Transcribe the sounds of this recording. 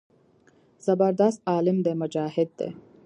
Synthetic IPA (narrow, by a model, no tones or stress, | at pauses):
z̥ɐbɐɾd̪ast̪aːlimd̪emɐd͡ʒaːhed̪ːḛ